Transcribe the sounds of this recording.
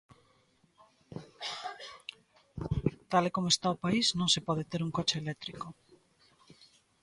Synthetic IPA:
t̪alekomoest̪aopaiznõŋsepɔð̞et̪eɾuŋkot͡ʃeelɛt̪ɾiko

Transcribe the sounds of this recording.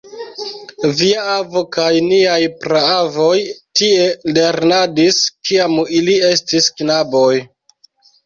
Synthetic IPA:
viaavo̞kajniajpɾaavo̞jtie̞le̞ɾnadiskiamilie̞stisknabo̞j

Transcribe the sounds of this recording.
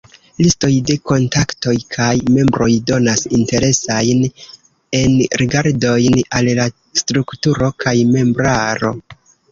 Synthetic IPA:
listo̞jde̞ko̞ntakto̞jkʰajme̞mbɾo̞jdo̞nasinte̞ɾe̞sajn | e̞nɾiɡaɾdo̞jnalla | stɾuktuɾo̞kʰajme̞mbɾaɾo̞̰

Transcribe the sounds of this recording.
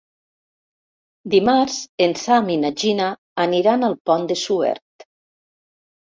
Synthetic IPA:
d̪imaɾzensaminad͡ʒinaː | niɾanalˠpɔnd̪esuɛ̰ɾt̪

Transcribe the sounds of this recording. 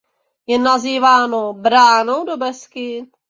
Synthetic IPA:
jɛnaziːvaːnobɾaːnowdobɛskɪ

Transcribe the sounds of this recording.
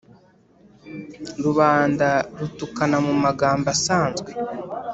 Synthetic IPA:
ɾuβaːndaɾutukanamumaɡaːmbasaːnzɡwe

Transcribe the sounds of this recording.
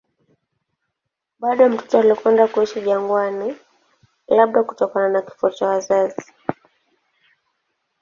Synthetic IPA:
ɓaɗɔam̩tu̥tɔalikwɛndakuiʃiʄaŋɡwani | laɓ̚ɗaku̥tɔkananaki̥fuɔt͡ʃawazazi

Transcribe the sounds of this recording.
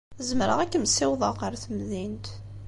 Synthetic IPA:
əzəmɾə̰ʁækːəmsɪwðˤəqəɾθəmðint̪

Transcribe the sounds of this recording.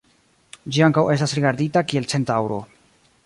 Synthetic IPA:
d͡ʒiaŋkawe̞s̬tasɾiɡaɾditakie̞lt͡se̞ntawɾo̞̰

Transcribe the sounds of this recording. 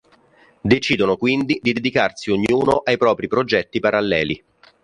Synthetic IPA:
d̪et͡ʃiːd̪onokwind̪id̪id̪ed̪ikarsioɲːuːnoʔajpɾɔːpɾipɾod͡ʒɛt̪ːipaɾalːɛ̰ːli

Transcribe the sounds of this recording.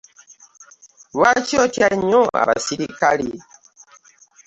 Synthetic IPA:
βwacjotjaɲoa̰βasiɾikali

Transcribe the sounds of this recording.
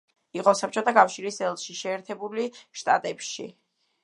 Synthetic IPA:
iqʼɔsap̚ʰt͡ʃʰʼɔt̪ʰakʼafʃiɾisɛlˠʃiʃɛːɾt̪ʰɛbuliʃt̪ʼa̰t̪ʼɛpʃḭ

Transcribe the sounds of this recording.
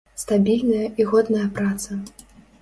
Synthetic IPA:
st̪abʲilʲnɐjɐiɣɔd̪nɐjɐpɾat̪sɐ

